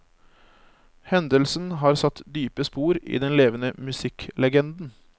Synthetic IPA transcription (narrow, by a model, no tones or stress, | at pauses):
hɛnd̪əlsnɦɑːɾsɑt̪d̪yːpəspuːɾḭːd̪ɛnleːʋənəmʉsɪklɛɡɛnd̪n̩